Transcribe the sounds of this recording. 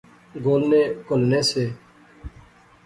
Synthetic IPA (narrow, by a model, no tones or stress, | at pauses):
ɡoːlneːkʊlneːseː